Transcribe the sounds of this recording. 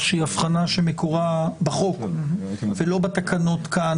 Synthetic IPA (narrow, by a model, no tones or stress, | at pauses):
ʃeiafχanaʃemekuʁabaχo̞k | velo̞bat̪akʰanot̪ka